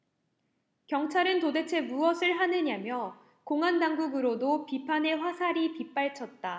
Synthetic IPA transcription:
kjʌŋt͡ɕʰaɾɯntode̞t͡ɕʰe̞muʌsʰɯɭɦanɯɲamjʌ | koŋɦandaŋɡuɡɯɾodopipʰane̞ɸwasʰaɾipip͈aɭt͡ɕʰʌt̚t͈a

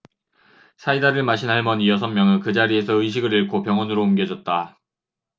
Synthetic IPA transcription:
sʰaidaɾɯɭmaɕʰinɦaɭmʌnijʌsʰʌmmjʌŋɯnkɯd͡ʑaɾie̞sʰʌɯɕ̬ʰiɡɯɾiɭkʰopjʌŋwʌnɯɾoumɡjʌd͡ʑʌt̚t͈a

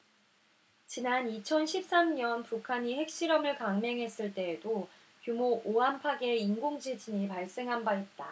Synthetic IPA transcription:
t͡ɕinanit͡ɕʰʌnɕʰip̚s͈amɲʌnpukʰaɲihe̞k̚ɕ͈iɾʌmɯɭkaŋme̞ŋɦe̞s͈ɯɭt͈e̞ːdo | kjumoʔoɦampʰaɡe̞inɡoŋd͡ʑid͡ʑiɲipaɭs͈e̞ŋɦanbait̚t͈a

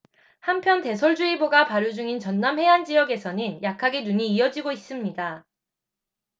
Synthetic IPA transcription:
hampʰjʌnte̞sʰoɭd͡ʑuiboɡapaɾjud͡ʑuŋint͡ɕʌnːamɦe̞and͡ʑijʌɡe̞sʰʌnɯnjakʰaɡinuɲiːʌd͡ʑiɡois͈ɯmɲida

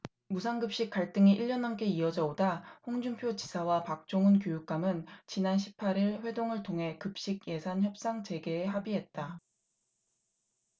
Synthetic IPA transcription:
musʰanɡɯp̚ɕ͈ik͈ːaɭt͈ɯŋiʔiʎːʌnank͈e̞iʌd͡ʑʌodaɸoŋd͡ʑumpʰjot͡ɕi̥sʰawapak̚t͡ɕ͈oŋɯnkjojuk̚k͈amɯnt͡ɕinanɕʰipʰaɾiɭɸwe̞doŋɯɭtʰoŋɦe̞kɯp̚ɕ͈iɡ̚je̞sʰançjʌp̚s͈aŋt͡ɕe̞ɡe̞ːɦabiɦe̞t̚t͈a

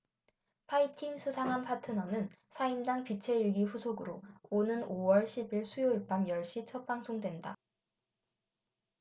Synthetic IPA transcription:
pʰaitʰiŋsʰusʰaŋɦanpʰatʰɯnʌnɯn | sʰaindaŋpit͡ɕʰeiɭɡiɸusʰoɡɯɾoonɯnowʌɭɕʰibiɭsʰujoiɭp͈amjʌɭɕ͈it͡ɕʰʌp͈aŋsʰoŋdwe̞nda̰

